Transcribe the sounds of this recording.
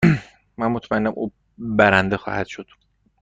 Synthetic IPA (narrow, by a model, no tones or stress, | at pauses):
mænmot̪ʰmæeːæmʔṵː | bæɾænd̪exɒ̰ːhæd̪̥ʃod̪̥